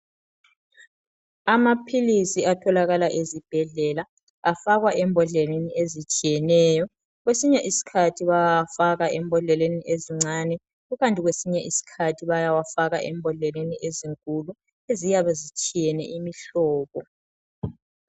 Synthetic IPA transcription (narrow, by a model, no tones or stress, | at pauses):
amapʰilisiatʰɔlaɣalaʔezib̥ʱɛɮɛla | afaɣwaʔɛmbʱɔɮɛleniezit͡ʃʼijɛnɛːjɔ | ɣwesiɲɛʔisi̥kʰatʰiβajawafaɣaʔɛmbʱɔɮɛleniʔeziŋ͡ǀʱanɛ | ɣuɣantʼiɣwesiɲɛʔisi̥kʰatʰiβajawafaɣa̰ʔɛmbʱɔɮeleniʔeziŋkʼulu | ezijaβazit͡ʃʼijɛnɛ̰ʔimiɬɔːɣɔ